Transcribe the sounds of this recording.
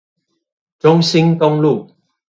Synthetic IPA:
ʈ͡ʂʊ˥ŋɕi˦˥nt̪ʊ˥ŋlu˥˨

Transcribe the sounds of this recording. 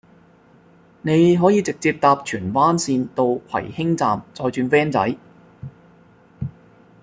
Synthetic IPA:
ne˨˧jɦɔː˨˥jiː˨˧t͡sɪ˨k̚t͡siː˧p̚t̪aː˧p̚t͡ʃʰyː˨˩nwaː˥nsiː˧nt̪o˧wkʰɐ̰˨˩jhɪ˥ŋt͡saː˨mt͡sɔː˧jt͡ʃyː˧nfɛː˥nt͡sɐ̰˨˥j

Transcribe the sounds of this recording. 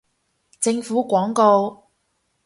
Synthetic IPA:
t͡sɪ˧ŋfuː˨˥kʷɔː˨˥ŋko˧w

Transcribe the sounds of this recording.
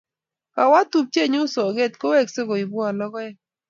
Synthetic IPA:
ka˨wa˦tu˨p̚t͡ʃe˦˨ɲʊ˦sɔ˨ɡe˦tko˦we˦˨kse˦ko˨i˨bu˦a˨lɔ˦ɣɔ˦ɛ˦

